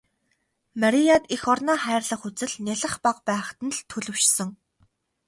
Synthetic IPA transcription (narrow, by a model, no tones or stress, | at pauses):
maɾijat̪ixɔrnaːχæːrɮə̆χut͡sɘ̆ɮnʲaɮə̆χpaqpæːχt̪ɘ̆nɮt̪ʰɵɮɵ̆w̥ʃsɘ̆ŋ